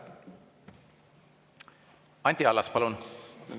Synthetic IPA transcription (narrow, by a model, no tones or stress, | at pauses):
ɑnʲt̪iɑlːɑspɑlun